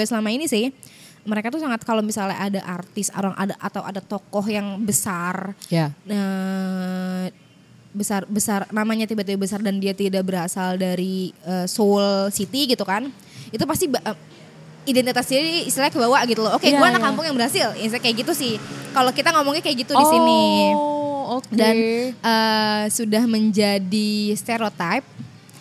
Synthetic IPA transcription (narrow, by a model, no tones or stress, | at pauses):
səlamainisɪh | məɾekat̪usaŋat̪̚kalomisalɲa̰ʔadaʔart̪ɪsa̰ɾaŋʔa̰daʔat̪awa̰dat̪ɔkɔɦjaŋbəsarjə | bəsarbəsarnamaɲat̪ibat̪̬ibabəsardandiat̪idaʔbəɾasaldaɾiəːsolsit̪iɡit̪ukan | it̪upast̪ibə | idɛnt̪it̪asdiiːst̪ilaɲakəbawaʔɡit̪ulokeɡuaːnakːampʊŋjaŋbərɦasɪlisakajaɡit̪usɪhkalokit̪aŋomɔŋakajaɡit̪udisini | danʔəsudahməɲd͡ʒadist̪eɾot̪ajp̚